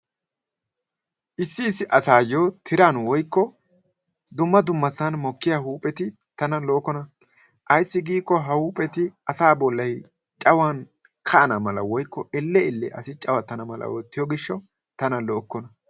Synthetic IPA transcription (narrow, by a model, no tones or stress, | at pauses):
ʔɪsːɪːsːɪʔɐsaːjoːt̪ʰɪɾanwɔjkːɔ | d̪ʊmːɐd̪ʊmːɐsːɐnmɔkːɪjahuːpʼɛt̪ɪ | t̪ɐnɐloːkːɔnɐ | ʔɐjsːɪɡiːkːɔɦɐhuːpʼɛt̪ɪɐsaːbɔlːɐj | t͡ʃʼɐwan | kʰɐʔɐnɐmɐlɐ̰wɔjkːɔɪlːɛɪlːɛʔɐsɪt͡ʃʼɐwɐt̪ːɐnɐmɐlʔɐ̰woːt̪ːɪjɔɡɪʃːɐ | t̪ɐnɐloːkːɔnɐ